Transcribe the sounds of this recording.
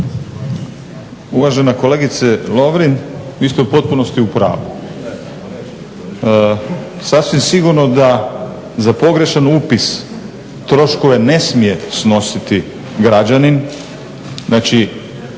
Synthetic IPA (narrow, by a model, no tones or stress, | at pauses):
uʋaʒenakoleɡit̪selo̞ʋɾinʋist̪eupo̞t̪̚puno̞st̪iupɾa̰ːʋu | sasʋimsiɡuɾnod̪a | zapo̞ɡɾe̞ʃanuːpis | t̪ɾo̞ʃko̞ʋe̞ne̞smije̞sno̞sit̪i | ɡɾad͡ʑanin | znat͡ʃi